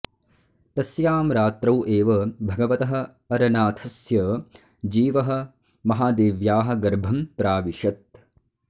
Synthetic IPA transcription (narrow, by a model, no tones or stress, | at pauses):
t̪ɐsjaːmɾaːt̪ɾɐwʔeːʋɐbʱɐɡɐʋɐt̪ɐɦɐ̆ | ɐɾɐnaːt̪ʰɐsjɐ | d͡ʒiːʋɐɦɐ̆ | mɐɦaːd̪eːʋjaːɦɐ̆ɡɐɾbʱɐmpɾaːʋiʃɐt̪̚